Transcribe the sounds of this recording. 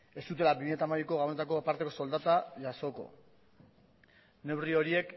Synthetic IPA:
e̞st̪ut̪elabimiɲe̞t̪amaβiko̞ɣawene̞t̪ako̞paɾt̪e̞ko̞so̞ld̪at̪aʝaso̞ko̞̰ | ne̞wrio̞ɾie̞k

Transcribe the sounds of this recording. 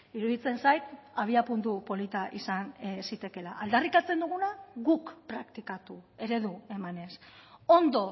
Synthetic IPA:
iɾuðit͡se̞nsajt̪aβ̞iapunt̪upo̞lit̪aʔisansit̪e̞ke̞laʔːld̪arikat͡se̞nd̪uɣ̞unaɣukpɾakt̪ikat̪ue̞ɾe̞ðue̞mane̞so̞nd̪o̞

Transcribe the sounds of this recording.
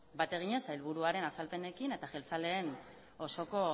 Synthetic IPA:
bat̪e̞ɣ̞iɲe̞sajlβ̞uɾuaɾe̞nasalpe̞ne̞kine̞t̪aʝelt͡sale̞ːn | o̞so̞ko̞

